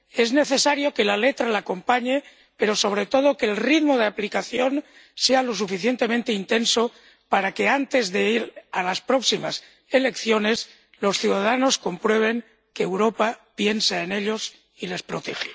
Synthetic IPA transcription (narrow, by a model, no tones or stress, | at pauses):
e̞zne̞θe̞saɾjo̞ke̞lale̞t̪ɾalaːko̞mpaɲe̞ | pe̞ɾo̞so̞β̞ɾe̞t̪o̞ð̞o̞keːlrit̪moð̞eaplikaθjo̞n | se̞alo̞sufiθje̞nt̪e̞ment̪e̞int̪e̞nso | paɾakeant̪e̞zðe̞iɾalaspɾo̞ksimas | e̞le̞kθjo̞ne̞s | lo̞sθjuðaðano̞sko̞mpɾwe̞β̞e̞ŋ | keːwɾo̞papje̞nsaene̞ʎo̞s | ile̞spɾot̪e̞xe